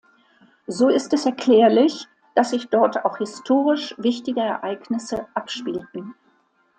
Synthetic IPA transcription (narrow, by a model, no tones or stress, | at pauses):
zoːɪstɛsɛɐkʰl̥ɛːɐlɪç | d̥asz̥ɪçd̥ɔɐta̰ʊxhɪstʰoːʁɪʃvɪçtɪɡəɛɐʔaɪknɪsəʔapʃpiːltn̩